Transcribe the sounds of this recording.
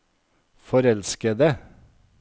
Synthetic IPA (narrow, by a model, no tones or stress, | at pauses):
fɔɾɛlskəd̪ə